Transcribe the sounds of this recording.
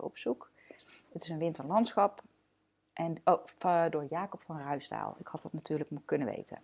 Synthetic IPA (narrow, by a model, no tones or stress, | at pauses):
ɔ̰psuk | ətɪsənʋɪntəɹlɑntsχɑp | ʔɛnodʊːɹjaːkɔpfɑnrœɥsta̰ːlˠɪkhɑtɑtnatyːɹləkmukɵnəʋḛjtə̰n